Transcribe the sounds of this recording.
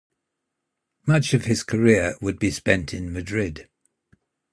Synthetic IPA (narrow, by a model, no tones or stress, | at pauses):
mʌt͡ʃəv̥ɪz̥kʰəɹɪəwəd̚bispɛ̃ntʰɪ̃nmədɹɪd̥